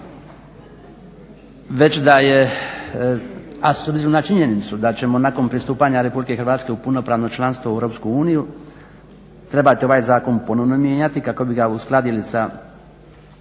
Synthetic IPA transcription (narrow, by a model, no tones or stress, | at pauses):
ʋe̞t͡ɕd̪aje | asobziɾonat͡ʃiɲe̞nit̪sud̪at͡ɕe̞mo̞nako̞npɾist̪uːpaɲaɾe̞publike̞xɾʋaːt̪ske̞upuno̞pɾaːʋno̞t͡ʃlˠanst̪ʋoewɾo̞ːpskuuːniju | t̪ɾe̞bat̪io̞ʋaːjzaːko̞npo̞no̞ʋnomje̞ːɲat̪ikako̞biɡausklˠad̪ilisa